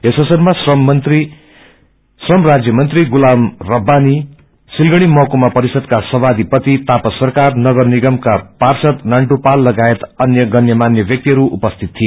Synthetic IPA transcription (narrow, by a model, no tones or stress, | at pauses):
esʌsʌrmasʌt̪ri | srʌmrad͡zjʌmʌnt̪riɡulamrʌbːani | silɡʌɽ̃imʌkomapʌɾisʌd̪kasʌbad̪ipʌt̪it̪apʌsʌrkarnʌɡʌrniɡʌmkaparsʌt̪naɳʈupalːʌɡaet̪ʌnjʌɡʌnjʌmanjʌbjʌk̚t̪iɦʌɾuʔupʌst̪ʰit̪̚ʰːie